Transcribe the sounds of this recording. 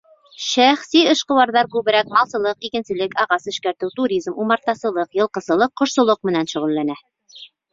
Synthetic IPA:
ʃæχsiɤ̆ʃqɤ̆wɑɾðɑɾkʉβɘ̆ɾæk̚mɑlˠsɤ̆lˠɤqikɘ̆nsɘ̆lɘkɑʁɑsɘ̆ʃkæɾt̪ɘwt̪uɾʲizmumɑɾt̪ːɑsɤ̆lˠɤqjɤ̆lˠqɤ̆zɤ̆lˠɤqːŏʃsŏlˠoq̚mɘ̆nænʃŭʁɘ̆lːænæ

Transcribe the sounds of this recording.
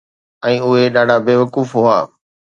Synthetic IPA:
ɛ̃ːʊɦeɗaːɖʱaːbeːʋəkuːfɦʊaː

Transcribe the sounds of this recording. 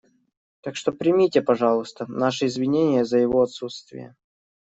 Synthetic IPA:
t̪akʂt̪o̞pɾʲɪmʲitʲɪpɐʐɑlˠʊst̪ənaʂɨɪzvʲɪnʲenʲɪjəzəjɪvo̞ɐt̪sut̪st̪vʲɪ̰jə̰

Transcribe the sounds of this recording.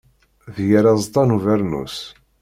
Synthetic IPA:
ðjəɾæzˤt̪ˤɑnuvæɾnṵs

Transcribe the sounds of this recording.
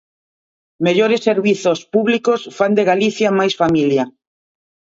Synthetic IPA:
meʎoɾɪsːeɾβiθospuβlikosfand̪eɣaliθjamajsfamilja

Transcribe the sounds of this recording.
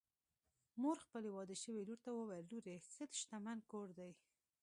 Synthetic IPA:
moɾxpəlewɑd̪əʃəweluɾt̪awəwajəlːuɾesət̪ʃt̪amankoɾd̪aj

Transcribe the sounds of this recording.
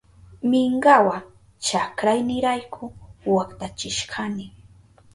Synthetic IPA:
mɪŋɢɑwa | t͡ʃakɾajnɪɾajkʰʊwakt̪at͡ʃɪʃɢʰanɪ

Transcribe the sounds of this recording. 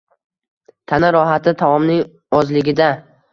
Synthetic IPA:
t̪ʰanaɾɒɦat̪ʰɪt̪ʰavɒmnɪŋ | ɒzlɪɡʲɪd̪a

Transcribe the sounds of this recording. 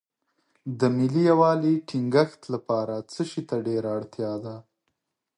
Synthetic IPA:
d̪əmɪlijawɑliʈʰɪŋɡəxt̪lapɑɾat͡səʃit̪aɖeɾaːɽt̪jɑd̪a

